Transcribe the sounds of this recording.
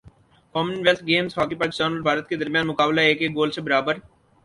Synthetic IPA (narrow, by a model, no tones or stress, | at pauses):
kɔːmənʋɛlt̪ʰɡeːmzɦɔːkipəɾkd͡ʒəːnəlbʱaːɾət̪̚ked̪əɾmjãːnmʊkaːblaeːkeːk̚ɡoːlsebəɾaːbəɾ